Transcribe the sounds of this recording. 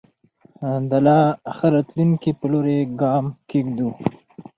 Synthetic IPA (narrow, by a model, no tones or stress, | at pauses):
d̪alɑxəɾat̪luŋkipəloɾeɡɑːmkiɡd̪u